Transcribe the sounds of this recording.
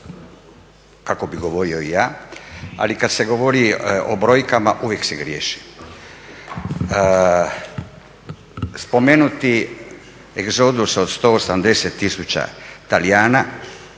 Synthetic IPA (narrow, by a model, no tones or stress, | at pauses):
kako̞biɡo̞ʋo̞ɾio̞ijaːa̰likad̪se̞ɡo̞ʋo̞ɾio̰bɾo̞jkamaʔuʋjekse̞ɡɾjḛːʃi̥ | spo̞menut̪i | eɡzod̪usod̪st̪o̞ːosamd̪e̞set̪ːisut͡ɕa̰t̪alijaːna